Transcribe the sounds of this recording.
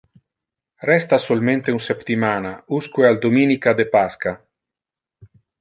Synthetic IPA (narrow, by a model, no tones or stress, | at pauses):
rɛst̪asolmẽnt̪eunsept̪imanauskueald̪ominikad̪epaska